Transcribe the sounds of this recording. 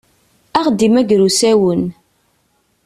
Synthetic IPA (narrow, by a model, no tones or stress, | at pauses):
æχd̪imæɡɾusæwən